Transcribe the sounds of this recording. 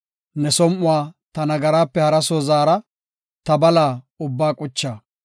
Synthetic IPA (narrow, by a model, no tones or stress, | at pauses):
nɛsɔmʔʊwaːt̪ɐnɐɡɐɾaːpːɛhɐɾɐsoːzaːɾɐ | t̪ɐbɐlaː | ʊbːaːkʼʊt͡ʃːaː